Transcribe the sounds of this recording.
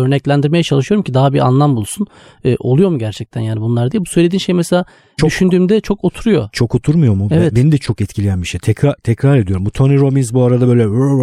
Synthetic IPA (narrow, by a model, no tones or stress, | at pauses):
ø̞ɾnɛclʲænd̪iɾme̞jɛt͡ʃʰalˠɯʃɯjo̞ɾumcʰid̪aɦabiʔa̰nlˠambulˠsun | ɯːʔo̞̰lˠujomuɟæɾt͡ʃʰɛc̚t̪ʰænjaːnibunlˠaɾd̪ijɛbu̥sølʲed̪iːnʃe̞jmɛselʲaː | oyʃynd̪yːmd̪ɛt͡ʃʰo̞ko̞t̪ʰuɾujo̞̰t͡ʃʰo̞ko̞t̪ʰuɾmujo̞mueɛɛbenid̪ɛt͡ʃʰo̞kɛt̪cʰilʲejænbiʃejt̪ʰɛkɾat̪ʰɛkɾaɾed̪ijoɾumbut̪ʰoniɾo̞minzbuaɾad̪abø̞jlʲɛ